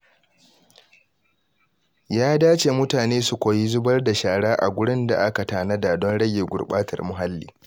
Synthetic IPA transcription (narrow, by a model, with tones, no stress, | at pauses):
jaː˦daː˦t͡ʃeː˨mʊ˦taː˨neː˦su˨kʷoː˨ji˦zʊ˦bɐ˦rda˨ʃaː˨ɽaː˦ʔa̰˨ɡʷʊ˦ɽɪ˦nda̰˨ʔa˦ka˨taː˨na˦da˨dɔ˦nɽɐ˦ɡʲeː˨ɡʷʊ̰˨rɓaː˦tʰɐ̰˨rmʊ˨ɦa˦lːḭː˦